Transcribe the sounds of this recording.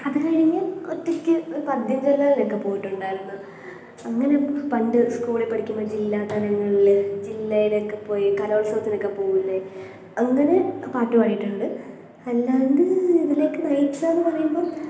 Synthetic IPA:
ɐðɨkaːɻiŋːɐlotːɐkʲːɨpɐd̪ʱjɐɲd͡ʑolːaːlilokːe̞po̞ːjiʈːuɳɖaːjiɾunːu | ɐŋːɐne̞pɐɳɖɨskuːɭepːɐɽikʲːumbɐd͡ʑilːaːt̪ɐlɐŋːɐɭild͡ʑilːɐjilokːepo̞ːjkɐloːlsɐʋɐt̪ːino̞kːe̞poːɣulːɐ | ɐŋːɐne̞paːʈːupɐɽijiʈːuɳːɐɽɨ | ɐlːand̪ɨiðile̞ːkːɨnɐjitːɐnːɨpɐrɐjumbo̞ːɭ

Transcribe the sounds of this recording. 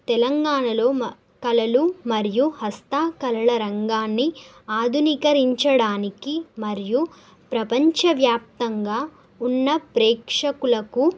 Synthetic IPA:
t̪ɛlɐŋɡaːɳɐlo̞ː | kɐlɐlumɐɾijuhɐst̪aːkɐlɐɭɐɾɐŋɡaːnːi | aːd̪ʱunikɐɾiɲt͡ʃɐɽaːnikimɐɾiju | pɾɐpɐɲt͡ʃɐʋjaːp̚t̪ɐŋɡaː | unːɐpɾɛːkʂɐkulɐku

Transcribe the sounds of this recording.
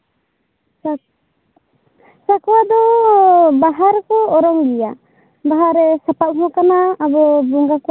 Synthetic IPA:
sakɔwad̪ɔ | baɦaɾkɔɔɾɔŋbija | baɦaɾɛsapaʔ̚ɦɔ̃kanaːbɔbuŋɡaku

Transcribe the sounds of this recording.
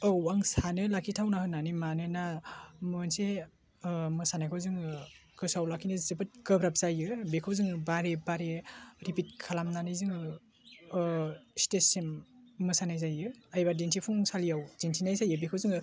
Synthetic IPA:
ɯwaŋsanɯlakʰitʰawnahɯnːanimanɯnamɯnse | mɯsanajkʰɯwzɯŋɯkʰɯsawlakʰinɯzɯbɯt̚kɯbʰɾap̚z̥ajɯbekʰɯwzɯŋɯbaɾebaɾeɾipit̚kʰalamnanɯzɯŋɯ | stesimːɯsanajzajɯajbadintʰipʰuŋsalijawdintʰinajzajɯbikʰɯwzɯŋɯ

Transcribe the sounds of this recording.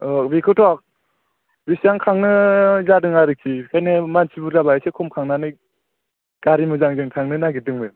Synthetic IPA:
bikʰɯtʰɔk̚ | bisaŋkʰaŋnɯzadɯŋaɾɯkʰikʰajnɯmansʰibuzabaesekʰɔmkʰaŋnanɯ | ɡ̥aɾimɯzaŋzɯŋtʰaŋnɯnaɡidɯŋbɯ

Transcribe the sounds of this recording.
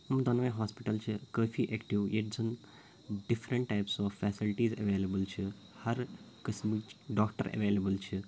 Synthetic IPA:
md̪ɐnʋɐ̃ɦaːspiʈɐlt͡ʃʰikəːpʰiʔeːkʈiʋjeʈ̚d͡zɐn | ɖipʰɾẽɳʈːajpsɔːffɛːsilʈiːzɐ̰ʋeːlebəlt͡ʃʰi | hɐɾ | kɐsmiɖɔːkʈə̰ɾɐ̰ʋeːlebəlt͡ʃʰi

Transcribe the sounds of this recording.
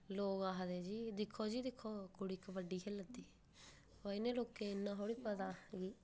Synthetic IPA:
loːɡaːɦd̪eːd͡ʒiːd̪ɪkʰːoːd͡ʒiːd̪ɪkʰːoːkʊɽiːkʋəɖːiːɦeːləd̪iː | oinẽːloːkẽːɪnːãːɦoːɽiːpət̪aːɡiː

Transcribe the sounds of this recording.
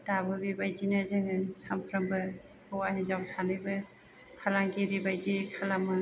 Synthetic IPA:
tabɯbibajd͡ʒinɯzɯŋɯsampʰɾambɯ | hɔwaɦezawsanɯjbɯ | kʰalaŋkiɾibajd͡ʒikʰalamɯ

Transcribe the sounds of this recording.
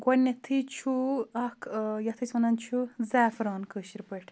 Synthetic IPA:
ɡʷɐnːɐt̪ʰit͡ʃʰuɐkʰjɐt̪ʰisɐnɐnt͡ʃʰuzaːfɾɑːnkəːʃiɾpɨʈʰ

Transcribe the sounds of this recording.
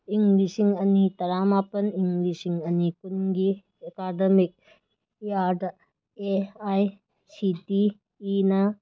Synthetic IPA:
iŋɡlisiŋɐnitɐɾamapɐniŋɡlisiŋɐnikunɡi | ɐkadɐmik̚ | iaɾdɐ | eaj | sitiː | nɐ

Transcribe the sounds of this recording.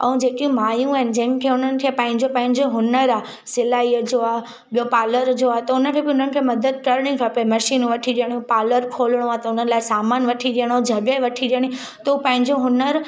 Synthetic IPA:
ɛ̃ũd͡ʑeːkijũmaːjũaɦɪnɪ̆d͡ʑɐ̃ɦɪ̃m̆kʰeːʊn̤ənɪ̆kʰeːpɐ̃ɦɪ̃ɲd͡ʑopɐ̃ɦɪ̃ɲd͡ʑoɦʊnəɾa | sɪlaːiəd͡ʑoːaːɦ | ɓijopaːləɾd͡ʑoaɦt̪ɐʊnəkʰebɪʊn̤ənɪ̆kʰeːmɐd̪əd̪̚kəɾɽ̃ĩkʰapemɐʃiːnʋɐʈʰiɗijəɽ̃ĩpaːləɾkʰoːlɽ̃oat̪ɐʊnənlaːɪsaːmaːnʋɐʈʰiɗijəɽ̃õd͡ʑʱɐɠəʋɐʈʰiɗijəɽ̃i | t̪ɐupɐ̃ɦɪ̃ɲd͡ʑoɦʊnəɾ

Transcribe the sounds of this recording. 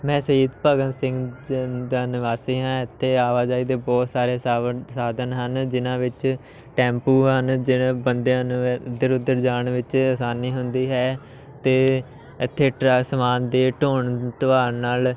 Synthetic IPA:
mɛ̃ːsəiːd̪pəːɡənsɪ̃ŋɡd̪aːnɪʋaːsiːɦãːɪt̪ʰːeːaːʋaːd͡ʒaːiːd̪eːbɔːt̪saːɾeːsaːd̪ənɦənd͡ʒɪnãːʋɪt͡ʃ | ʈɛ̃ːmpuːɦənd͡ʒɪbənd̪ed̪əɾʊd̪ːəɾd͡ʒaːɳʋɪt͡ʃəsaːniːɦʊnd̪iːɦɛː | t̪eː | ɪt̪ʰːeːʈsəmaːnd̪eːʈoːɳt̪əʋaːɾnaːl

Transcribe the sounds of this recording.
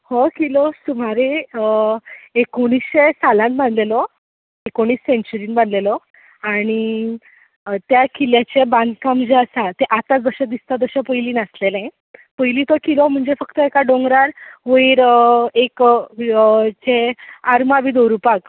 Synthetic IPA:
hokilosum̤aɾeəekoɽ̃isɕesalãnbʱanlelɔ | ekoɽ̃iːsːeɲt͡ɕəɾiːnbanlelɔ | aɽ̃i | t̪jakʰiljat͡ɕebãnd̪kamd͡ʑeasat̪eʔat̪at͡sʋəɾɕad̪ist̪at̪əɕapəjliːnaslelẽ | pəjlit̪ɔkilom̤əɳd͡zefəkt̪əekaɖoŋɡɾaɾʋoiːɾek | t͡seaɾmaʋid̪oɾupak

